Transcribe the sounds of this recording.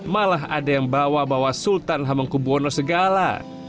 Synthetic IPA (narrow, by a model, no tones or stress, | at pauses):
malaɦa̰dajaŋbawabawasult̪anɦamaŋkubuɔnɔsəɡala̰